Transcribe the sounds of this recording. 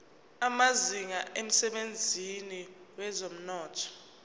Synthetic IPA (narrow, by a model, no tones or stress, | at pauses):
amaziŋaʔem̩sɛɓend͡zʱiniwɛzom̩nɔːtʰɔ̥